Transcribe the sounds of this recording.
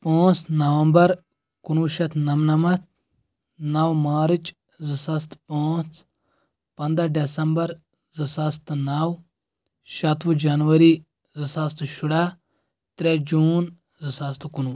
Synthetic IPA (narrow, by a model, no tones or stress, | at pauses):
pãːt͡snɐʋɐmbɐɾ | kunuːʃɐt̪ʰnɐmnɐmɐt̪̚ʰ | nɐwmaːɾɨt͡ʃ | zɨsɐst̪paːt͡sʰ | pɐnd̪aɖesɐmbɐɾ | zɨsɐst̪naw | ʃɐt̪ʋud͡ʒanʋɐɾi | zɨsɐst̪ʃʊɽaː | t̪ɾed͡ʒuːn | zɨsɐst̪kunuː